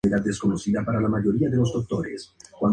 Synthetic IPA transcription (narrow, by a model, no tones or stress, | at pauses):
eɾad̪eskonosiðapaɾalamaʎoɾiaðelozd̪ok̚t̪oɾeskwan